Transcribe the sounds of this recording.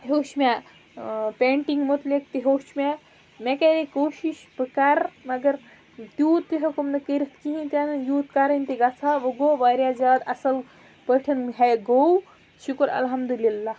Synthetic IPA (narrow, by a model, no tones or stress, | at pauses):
ɦoʃma | pʲeɳʈiŋɡmot̪lek̚t̪iɦoːʃmʲa | mekeɾekoːʃiʃpɨkaɾmɐɡɐɾ | t̪juːt̪iɦekumnɐkəɾit̪kiɦĩt̪ʲanɐnjuːt̪kaɾɐnʲt̪iɡat͡sʰaʋɐɡoʋaɾjad͡ʒaːd̪ɐsɐl | pəʈʰɐnɦajɡow | ʃukɐɾɐ̰lɦɐmd̪ulilːa